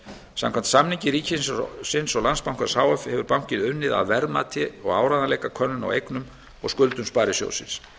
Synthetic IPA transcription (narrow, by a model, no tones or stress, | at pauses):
sa̰mkʰamnt̪samniɲcɪɾiːcɪnssɪnsɔɣlanspawŋkvḁsaːwɛfhɛvʏɾpawŋ̥cɪðʏnːɪða̰ðvɛɾma̰t̪ʰɪɔɣaːwɾaðanlɛjkakʰœnːʏna̰wejknʏm | ɔ̰ɣskʏlt̪ʏmspaːɾɪsjo̰wsɪ̰ns